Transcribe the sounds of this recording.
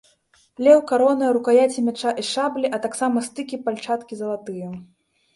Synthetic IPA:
lʲɛwkaɾɔnɐɾukajat͡sʲimʲat͡ʂaʔiʂablʲiʔɐt̪aksamɐst̪ɨkʲipalʲt͡ʂat̪kʲizɐlˠat̪ɨjɛ

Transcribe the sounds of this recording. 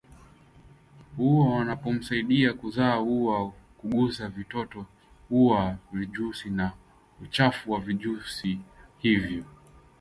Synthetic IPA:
huawanapɔm̩saiɗiakuzaːhuwa | kuɠusavitɔtɔ | huwaviʄusina | ut͡ʃafuwaviʄusihivjɔ

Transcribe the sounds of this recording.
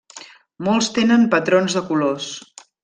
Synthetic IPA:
molˠst̪enəmpət̪ɾonzðəkulos

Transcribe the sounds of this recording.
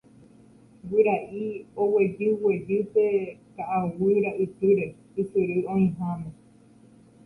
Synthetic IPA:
wɨɾaʔiowed͡ʒɨwed͡ʒɨtek̪aʔawɨɾaʔɨt̪ɨɾe | isɨɾɨõĩɦãmẽ

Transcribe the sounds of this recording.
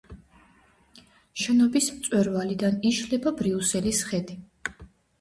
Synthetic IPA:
ʃɛnɔbismt̪sʼwɛɾvalid̪aniʃlɛbabɾiusɛlisχɛd̪i

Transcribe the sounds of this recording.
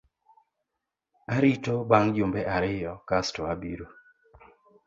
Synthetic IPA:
aɾitobaŋd͡ʒʊmbɛʔaɾɪjɔkastoabiɾo

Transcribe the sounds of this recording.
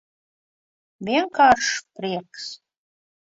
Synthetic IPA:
vʲiɛŋkaːrʂpɾiɛks

